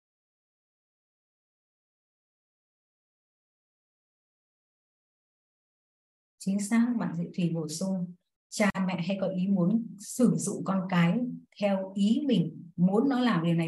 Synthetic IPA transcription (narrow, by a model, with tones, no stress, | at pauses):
t͡ɕï˨˦ŋ̟saː˧˥ŋɓa̰ː˧˨nzḭ˧˥t̪ʰi˨˩ɓo˧˩sʊ˧ŋ | t͡ɕaː˨˩mɛ̰˧˨ɦa˧jkɔ˨˦ʔi˨˦mu˨˦ənsɨ˧˩zʊ̰˧˨ŋ͡mkɔ˧nkaː˨˦jt̪ʰɛ˧wʔi˨˦mï˨˩ŋ̟mu˨˦nːɔ˨˦laː˨˩mɗi˨˩wna˨˩